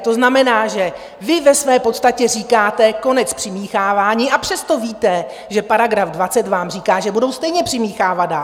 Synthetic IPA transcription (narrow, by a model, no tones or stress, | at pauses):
t̪o̞znamɛnaːʒɛ | vɪvɛsvɛːpo̞t̪st̪acɛriːkaːt̪ɛko̞nɛt͡spr̥ɪmiːxaːvaːɲiːʔapr̝̥ɛst̪o̞viːt̪ɛ | ʒɛpaɾaɡɾafdvat͡sɛt̪vaːmriːkaːʒɛbudo̞wst̪ɛjɲɛpr̥ɪmiːxaːvat̪daːl